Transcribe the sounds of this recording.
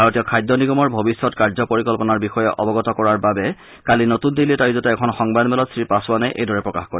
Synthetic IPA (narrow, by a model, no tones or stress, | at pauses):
bʱaɹɔtijɔkʰajdʱːɔniɡɔmɔɹbʱobisːɔtkaɹzɔpoɹikɔlpɔnaɹbixɔjɛʔɔbɔɡɔtɔkɔɹaɹbabɛ | kalinotundilitaɹizɔtɛɛkʰɔnxɔŋbadmɛlɔtsɹipasʊwanajʔḛjdʱɔɹɛpɹɔkaxkoɹi